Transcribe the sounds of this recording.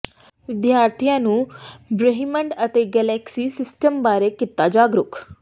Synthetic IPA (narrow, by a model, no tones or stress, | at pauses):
ʋɪd̪jaːɾt̪ʰijãːnũːbɾəɦiməɳɖət̪eːɡɛːlɛːksiːsɪsʈəmbaːɾeːkɪt̪ːaːd͡ʒaːɡɾʊkʰ